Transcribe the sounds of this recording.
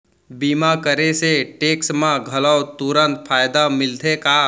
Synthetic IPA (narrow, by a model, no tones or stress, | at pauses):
biːmakəɾeseʈeːksmãɡʱɐləwt̪uɾə̃nt̪̚pʰaːjd̪amɪlt̪ʰeka